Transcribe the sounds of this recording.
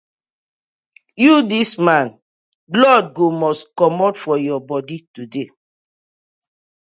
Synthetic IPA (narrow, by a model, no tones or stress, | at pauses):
judismãn | lɔd̚ɡomɔskɔmɔtfɔjɔbɔditude